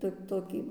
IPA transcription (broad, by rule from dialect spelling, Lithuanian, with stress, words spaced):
ˈtoːkʲ ˈtoːkʲiː